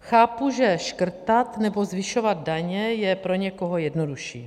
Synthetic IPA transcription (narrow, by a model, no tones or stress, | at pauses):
xaːpuʒɛʃkr̩t̪at̪nɛbo̞zvɪʃovad̪̚daɲɛjɛpɾo̞ɲɛkoɦojɛdnoduʃḭː